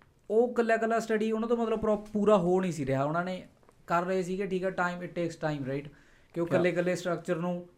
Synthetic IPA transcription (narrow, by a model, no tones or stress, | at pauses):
oːkəlːjaːkəlːaːsʈəɖiːʊnãːt̪̬õːmət̪ləbpɾɔːpuːɾaːɦoːnĩːsiːɾeaːʊnãːneː | kəɾːəɦeːsiːkeʈʰiːkɛːʈaːiːmɪʈʈeːksʈaːimɾaɪːʈ | kɪẽkəlːeːkəlːeːsʈɾək̚t͡ʃəɾnũː